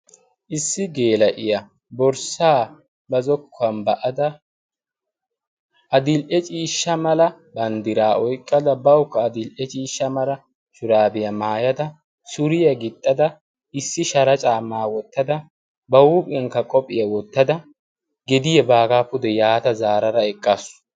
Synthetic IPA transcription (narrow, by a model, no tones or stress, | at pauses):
ʔɪsːɪɡeːlɐʔɪjɐ | bɔɾsaː | bɐzɔkʰːɐmbɐʔɐd̪ɐ | ʔɐd̪ɪlʔɛt͡ʃʼiːʃːɐmɐlɐ | bɐnd̪ɪɾaːɔjkʼːɐd̪ɐbɐwkːɐːd̪ɪlʔɛt͡ʃʼiːʃːɐmɐlɐ | ʃʊɾaːbɪjɐmaːjɐd̪ɐ | sʊɾɪjɐɡɪt̪ʼːɐd̪ɐ | ɪsːɪʃɐɾɐt͡ʃʼaːmaːwɔt̪ːɐd̪ɐ | bɐwuːpʼɛŋkːɐkʼɔpʼɪjɐwɔt̪ːɐd̪ɐ | ɡɛd̪ɪjɛbaːɡaːpʊd̪ɛjaːt̪ɐzaːɾɐɾɐɛkʼːasʊ̥